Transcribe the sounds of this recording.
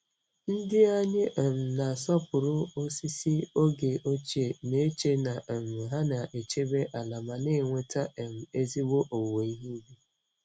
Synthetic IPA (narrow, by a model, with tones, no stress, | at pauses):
n̩˦dɪ˦a˦ɲɪ˦ʔ̩˨m̩˨na˨sɔ˦pʊ˨ɾʊ˦o˦si˦si˦o˦ɡe˨o˦t͡ʃe˨ne˦t͡ʃe˦na˨m̩˨ɦa˦na˨ʔe˨t͡ʃe˦be˦ʔa˨la˨ma˨nɪ˦˨ŋʷe˦ta˦e˨m̩˨e˦zi˦ɡ͡bo˦ʔo˨we˨i˦ɦi˦be˦